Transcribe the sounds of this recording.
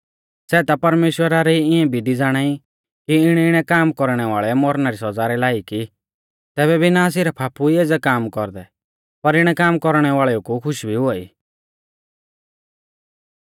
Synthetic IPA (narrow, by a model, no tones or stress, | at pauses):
sɛːt̪apɐɾmeːʃwəɾaɾiiɪɛ̃bʱid̪id͡zaːɽ̃ai | kiɪɽ̃ɛɪɽ̃ɛkaːmkɔɾɽ̃ɛʋaːɭɛmɔɾnaɾisɔd͡zaːɾɛlaːiki | t̪ɛːbɛbʱinaːs̬iɾapʰaːpuieːd͡zɛkaːmkɔɾd̪ɛ | pɐɾɪɽ̃ɛkaːmkɔɾɽ̃ɛʋaːɭɛukukʰʊʃbʱiɦʊaḭː